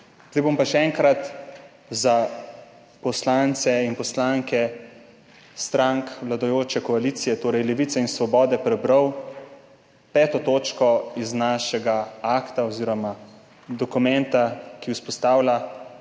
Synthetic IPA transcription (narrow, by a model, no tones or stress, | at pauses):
zd̪ajbompaʃɛɛŋkɾat̪ | za | pɔslant̪sɛinpɔslaŋkɛ | st̪ɾaŋkʋlad̪ɔjoːt͡ʃɛkɔaliːt̪sijɛt̪oːɾɛjlɛʋiːt̪sɛinsʋɔbɔːd̪ɛpɾɛbɾaəw | pɛːt̪ɔt̪oːt͡ʃkɔiznaːʃɛɡaakt̪aɔziːɾɔma | d̪ɔkumɛnt̪akiwspɔst̪aːwla